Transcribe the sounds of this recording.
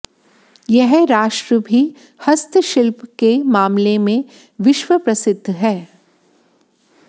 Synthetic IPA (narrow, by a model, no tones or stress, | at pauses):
jɛɦɾaːʃʈɾəbʱi | hɐst̪ʃɪlpkemaːmlemẽ | ʋɪʃwəpɾɐsɪd̪ʱːɦɛː